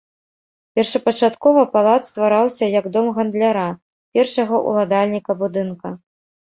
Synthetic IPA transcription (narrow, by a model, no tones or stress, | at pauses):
pʲɛrʂɐpɐt͡ʂat̪kɔvɐpalˠat̪st̪vaɾawsʲɐjɐɡd̪ɔmɣɐnd̪lʲaɾa | pʲɛrʂɐɣɐʔṵlˠad̪alʲnʲikɐbud̪ɨnkɐ